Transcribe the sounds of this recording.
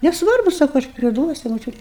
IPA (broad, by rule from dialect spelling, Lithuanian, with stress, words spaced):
nʲɛsˈʋɐrbʊ ˈsɑːkʊ ɐʃ pʲrʲɪˈduɔsʲʊ moːˈt͡ʃʲʊtʲ